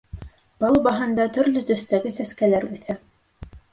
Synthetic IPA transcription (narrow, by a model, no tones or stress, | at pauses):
b̥ɑlˠbɑɦɤ̆nd̪ɑt̪ɵ̆ɾlɵt̪ɵ̆θt̪æɡɘsæskælæɾʉθæ